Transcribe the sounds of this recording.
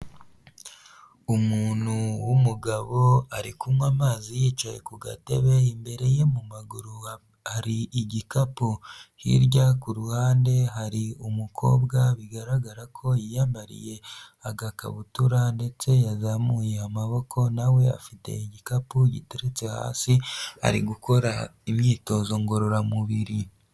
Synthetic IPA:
umuːnhuwumuɡaβo̞aɾḭkumwamaːzijiːt͡ʃajḛkuɡa̰te̞βe̞imbe̞ɾe̞je̞mumaɡuɾu | haɾiʔiɟikapuhḭɾɟakuɾuhaːnde̞ɦaɾiumukʰo̞̰ːbɡaβiɡaɾaɡaɾakʰo̞jijaːmbaɾḭje̞aɡaka̰βutuɾande̞t͡se̞jazamujeamaβo̞kʰo̞nawe̞a̰fite̞̰iɟikapuɟḭteɾet͡se̞ha̰ːsia̰ɾḭɡuko̞ɾaimɲiːto̞zo̞ŋɡo̞ɾo̞ɾamuβiɾi

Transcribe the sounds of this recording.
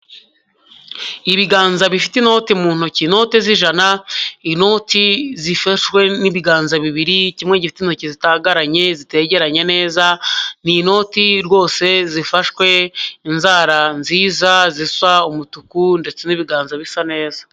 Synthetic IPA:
iβiɡaːnzaβifitino̞ːtimuːn̥hucino̞ːtiziʒanaino̞ːtizifaʃwe̞niβiɡaːnzaβiβiɾicimŋe̞ɟifi̥tino̞ːcizitaːɡaɾaɲe̞zite̞ɟe̞ɾaɲe̞ne̞ːzanino̞tiɾɡo̞ːse̞zifaʃwe̞inzaːɾanziːzaziswaumutukunde̞t͡se̞niβiɡaːnzaβisane̞ːzḁ

